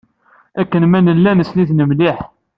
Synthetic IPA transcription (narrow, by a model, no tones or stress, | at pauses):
ækːənmænəlːænəsliθnəmliħ